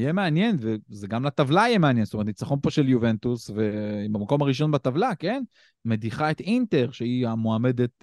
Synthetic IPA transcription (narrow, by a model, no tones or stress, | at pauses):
jemeanje̞nvezeɡamlat̪avlajemeanjenst̪omt̪it͡saχo̞npo̞ʃeljuve̞nt̪usvebamako̞maʁiʃ̬o̞nbat̪avlake̞n | me̞d̪iχaet̪int̪e̞ʁʃeiamoame̞d̪e̞t̪̚